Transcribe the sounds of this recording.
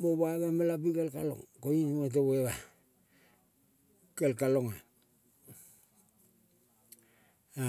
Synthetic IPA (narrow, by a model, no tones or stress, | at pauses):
moβaβamalabikelkalo̰ŋkoinet̬eβeβa | kelkaloŋa